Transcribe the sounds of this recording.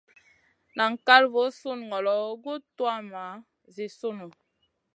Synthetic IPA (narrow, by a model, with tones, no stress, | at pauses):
na˨ŋ̩˨ka˦lvo˨˦su˦n˨ŋɔ˨lɔ˨˦ɡu˦twa˦ma˨˦ | zi˨su˦nu˨